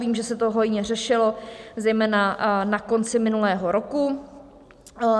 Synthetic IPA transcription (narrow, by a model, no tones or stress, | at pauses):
viːmʒɛsɛt̪oɦo̞jɲɛr̝ɛʃɪlozɛjmɛːnanako̞nt͡sɪmɪnulɛːɦoɾoku